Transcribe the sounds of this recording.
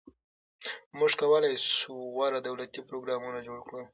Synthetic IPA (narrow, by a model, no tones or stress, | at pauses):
muʐkawəlajsuwaɾad̪awlat̪ipɾoɡɾɑmunad͡ʒoɽkɽə